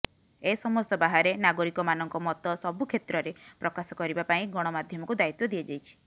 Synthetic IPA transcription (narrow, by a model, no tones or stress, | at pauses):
esɔmɔst̪ɔbaɦaɾenaɡoɾikɔmanɔŋkɔmɔt̪ɔsɔbukʰet̪ɾɔɾepɾɔkasɔkɔɾibapaĩɡɔɽ̃ɔmad̪ʱjɔmɔkud̪ait̪wɔd̪iad͡ʒajt͡ʃʰi̥